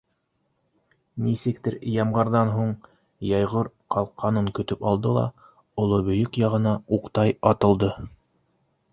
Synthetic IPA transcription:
nisɘ̆k̚t̪ɘɾjɑmʁɑɾðɑnɦuɴ | jɑjʁoɾ | qɑlˠqʰːɑnɤŋkɵ̆t̪ɵpɑlˠd̪ɤlˠɑ̰ | ŏlˠɤβɵ̆jɵkjɑʁɤ̆nɑuqt̪ɑjɑt̪ɤ̆lˠd̪ɤ

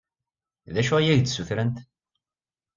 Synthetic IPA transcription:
ðæʃʊʁijæʝt͡sːsuθɾənt̪

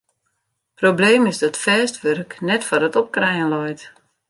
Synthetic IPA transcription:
probleːmɪsdɔtfɛːstʋørknɛtfɔdətɔp̚krɛjənlɔjt

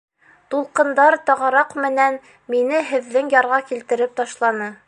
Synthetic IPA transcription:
t̪ulˠqɤ̆nd̪ɑɾt̪ɒʁɑɾɑqmɘ̆næn | minɘɦɘ̆ðːɘŋjɑɾʁɑkilt̪ɘ̆ɾɘp̚t̪ɑʃlˠɑnɤ

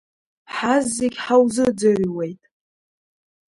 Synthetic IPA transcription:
ħazːeɡʲħawzɨd͡zɨʕʷwe̞jtʼ

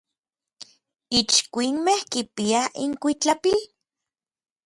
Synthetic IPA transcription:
it͡ʃkʷinmehkipiaiŋkʷit͡ɬapil

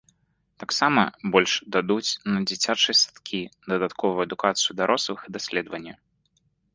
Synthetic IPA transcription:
t̪aksamɐbɔlʲʂd̪ad̪ut͡sʲnɐd͡zʲit͡sʲat͡ʂɨjɐsḁt̪kʲʰid̪ɐd̪at̪kʰɔvujɐd̪ukat̪sɨjud̪aɾʔɔslˠɨxid̪asʲlʲɛd̪vɐnʲːɐ

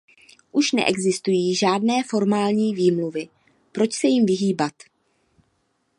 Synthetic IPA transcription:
ʔuʃnɛ̰ʔɛɡzɪst̪ujiːʒaːdnɛːfo̞ɾmaːlɲiːviːmluvɪ | pɾo̞t͡ʃsɛjɪmvɪɦiːbat̪

